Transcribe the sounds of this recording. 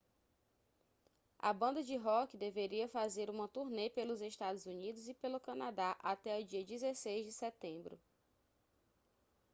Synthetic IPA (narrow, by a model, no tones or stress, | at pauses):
ɐ̰bɐ̃nd̪ɐd͡ʒɪɦɔkd̪eveɾiɐfazeɾũmɐt̪uɾnepelʊzeʃt̪ad̪ʊzunid̪ʊzɪpelʊkɐ̃nad̪aʔat̪ɛʊd͡ʒiɐd͡ʒizesejzd͡ʒɪsɛt̪ẽbɾʊ̰